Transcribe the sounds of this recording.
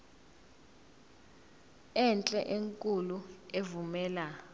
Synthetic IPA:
ɛnt͡ɬʼɛʔeŋkʼuluevumɛːla

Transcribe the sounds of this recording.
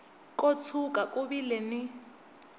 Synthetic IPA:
kʼot͡sʰukʼakʼʊbilɛnɪ

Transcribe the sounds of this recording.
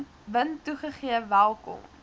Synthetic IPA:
vəntuχəχiəvælˠkɔ̰m

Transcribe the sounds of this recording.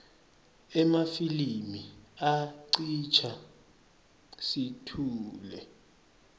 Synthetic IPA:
ɛmafilimiaǀit͡ʃʰa | sitʰuːlɛ

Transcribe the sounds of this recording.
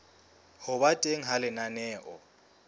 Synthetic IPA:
hʊbatʼeŋ̩ɦalɪnanɛːʔɔ̰

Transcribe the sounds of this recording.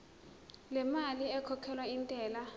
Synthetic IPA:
lɛmaliɛkʰɔkʰɛlwaintʼɛːla

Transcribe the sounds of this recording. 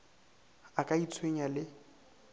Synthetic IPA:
akʼait͡sʰweɲalɪ

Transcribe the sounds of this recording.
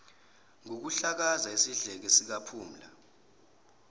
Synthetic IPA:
ŋok̬uɬak̬azaesiɮɛk̬ɛsik̬apʰuːm̩la̰

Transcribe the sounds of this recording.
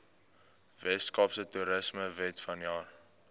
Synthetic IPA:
vɛtskɑpsətuɾəsməvɛtfɐnjɑːr

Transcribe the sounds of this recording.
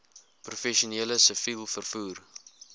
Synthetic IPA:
prufɛʃuniːləsəfilˠfərfuːr

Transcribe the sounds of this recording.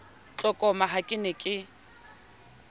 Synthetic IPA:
t͡ɬʼɔkʼɔmaɦakʼɪnɪkʼɪ

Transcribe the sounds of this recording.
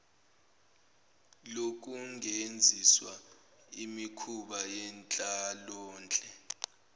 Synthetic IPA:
lok̬ʼuŋend͡zʱiswa | imikʰuɓajɛnt͡ɬʼalɔːnt͡ɬʼɛ

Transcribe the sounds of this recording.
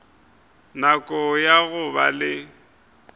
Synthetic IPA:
nakʼɔjaɣʊba̰lɪ

